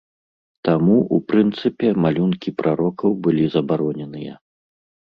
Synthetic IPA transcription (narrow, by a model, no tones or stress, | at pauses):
t̪amuʔupɾɨnt̪sɨpʲɛmalʲunkʲipɾʔaɾɔkɐwbɨlʲizɐbaɾɔnʲɛnɨjɐ̰